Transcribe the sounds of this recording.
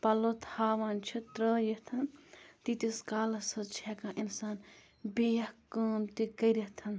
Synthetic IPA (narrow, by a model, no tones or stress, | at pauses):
pɐlot̪ʰaːʋaːnt͡ʃʰit̪ɾəjet̪ʰɐnt̪it̪iskaːlɐsɐt͡ʃʰɛːkãʔinsaːn | bijɐhkəːmt̪ikɐɾɐht̪ʰɐn